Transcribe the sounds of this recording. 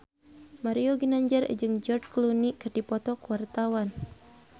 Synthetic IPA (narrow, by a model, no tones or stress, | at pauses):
maɾioɡinaɲd͡ʒar̰d͡ʒɨŋd͡ʒɔrdklunikɨrdipɔt̪ɔkuwart̪awan